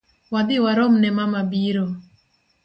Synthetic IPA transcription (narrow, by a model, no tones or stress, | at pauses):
wad̪ɪwaɾɔmnɛmamabiɾo